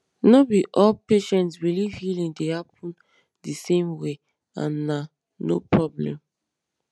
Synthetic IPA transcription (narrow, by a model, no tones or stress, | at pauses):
nobiʔɔlpeʃɛ̃ntsɹilivhilĩndehapʰũn | disẽmwe | ã̰nːa | no̰pʰɹɔblɛ̰̃m